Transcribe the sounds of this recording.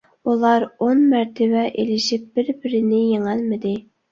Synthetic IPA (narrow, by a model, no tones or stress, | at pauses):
ulˠɑɾonmæɾt̪ʰɪbɛʔelɪʃip̚b̥ɪɾbɪɾɪnɪjeŋælmɪd̪ɪ